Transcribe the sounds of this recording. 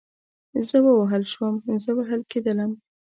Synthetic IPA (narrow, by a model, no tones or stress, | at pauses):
zəwəwaɦəlʃwəmzəwaɦəlked̪ələm